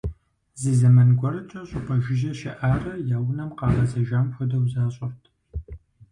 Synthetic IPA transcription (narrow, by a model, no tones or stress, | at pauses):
zizɐmɐnɡʷɐrɐt͡ʃʼɐɕʼʊpʼʰɐʒɪʒɐʃɪʔaːrɐjaːwnɐmqɑːʁɐzɐʒɐmħʷʊdɐwzaːɕʼɪrtʰ